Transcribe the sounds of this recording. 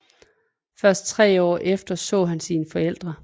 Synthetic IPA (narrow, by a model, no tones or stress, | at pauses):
fɶɐsd̥̚t͡sʰʁɛ̰ːɒ̰ːʔefd̥ɐsɔ̰̽ːɦænsiːnfɒ̽el̰d̥ʁɐ